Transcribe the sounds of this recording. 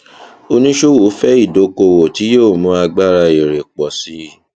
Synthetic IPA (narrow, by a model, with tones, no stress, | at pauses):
o˧nĩ˦ʃo˦wo˨˦fɛ˦i˦˨do˨˦ko˧˨wo˨ti˨˦joː˦˨mũ˨˦a˧ɡ͡ba˦ɾa˧i˨ɾe˨k͡pɔ˨si˨˦